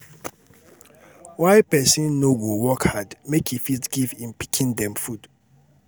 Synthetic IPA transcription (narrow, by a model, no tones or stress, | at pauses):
waɪpɛsĩnːoɡowɔkhadmekʰifitɡivĩnpikʰĩndɛ̃mfud̥